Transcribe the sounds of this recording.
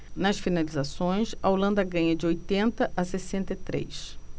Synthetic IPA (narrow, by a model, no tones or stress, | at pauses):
nɐsfinalizasõj̃sɐolɐ̃nd̪ɐɡɐ̃ɲɐd͡ʒɪojt̪ẽnt̪ɐʔɐsesẽnt̪et̪ɾḛjs